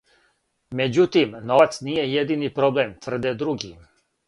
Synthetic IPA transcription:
med͡ʑut̪imnoat̪snijejed̪inipɾoblemt̪vr̩d̪ɛd̪ɾuɡi

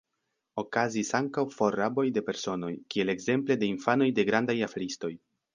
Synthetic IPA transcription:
o̞kazisaŋkawfo̞ɾabo̞jde̞pe̞ɾso̞no̞jkie̞le̞ɡze̞mple̞de̞infano̞jde̞ɡɾandajafeɾisto̞j

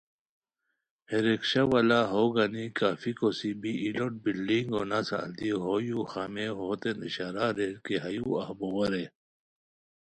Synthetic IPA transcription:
heɾekɕɐʋɐlaɦoɡanikaːfikosibiːloʈ̚bilɖiŋɡonasa̰nd̪iɦojuxameɦoːt̪eniɕaɾaɾeɾkeɦɐjuɐ̰hbowɐɾe

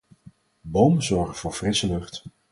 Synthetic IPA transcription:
bowməzɔɹχəv̥ʊːɹvrɪsəlɵχt

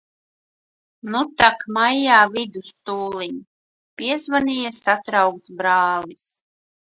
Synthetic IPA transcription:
nut̪akmajːaːvid̪ust̪uːliɲ | pʲiɛzvanijasat̪ɾawk̚t̪bɾaːlis

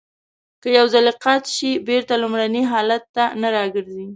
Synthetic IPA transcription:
kəjawzalɪqat̪ʃibeɾt̪alʊmɾaniɦɑlat̪ːanaɾɑɡəɾzi

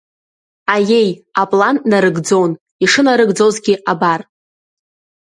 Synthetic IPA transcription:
aje̞japʼlanːaɾɨɡd͡zo̞wn | iʂɨnaɾɨɡd͡zo̞zɡʲiʔabar

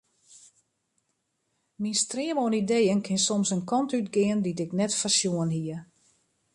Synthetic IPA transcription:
minstrɪəmoənidejənkʰɪnsɔmsənkʰɔntytɡɪənditɪknɛtfərsjuənɦiə

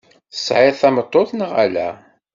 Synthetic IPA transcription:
θə̥sˤʕɪðθæmət̪ˤːoθnəʁæ̰læ̰

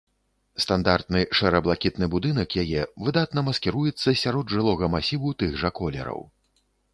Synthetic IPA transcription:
st̪and̪art̪nɨʂɛɾɐblˠakʲit̪nɨbud̪ɨnɐkjajɛvɨd̪at̪nɐmɐskʲiɾujɛt̪sːɐsʲaɾɔd̪ʐɨlˠɔɣɐmasʲivut̪ɨɣʐɐkɔlʲɛ̰ɾɐ̰w

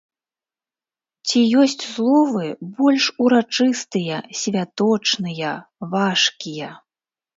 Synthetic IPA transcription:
t͡sʲijɔsʲt͡sʲzlˠɔvɨbɔlʲʂuɾat͡ʂɨst̪ɨjɐsʲvʲat̪ɔt͡ʂnɨjɐvaʂkʲijɐ

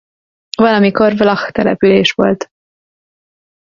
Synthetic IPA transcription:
vɒlɒmiko̞rvlɒxt̪ɛlɛ̰pyleːʃʋo̞̰lt̪

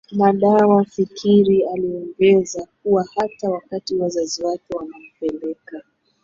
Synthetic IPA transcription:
maɗawafikʰiɾialiɔŋɡɛzak̚uwahatawakatiwazaziwakɛwanam̩pɛlɛka

